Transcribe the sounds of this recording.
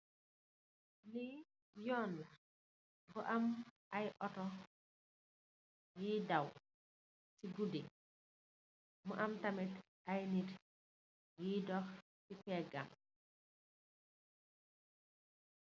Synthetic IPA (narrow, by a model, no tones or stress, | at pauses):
li | jɔːnːa | bɔʔamʔajʔɔtɔ | jidaw | siɡudi | mɔʔamtamit | ʔajnit | jidɔx | sipɛɡa̰m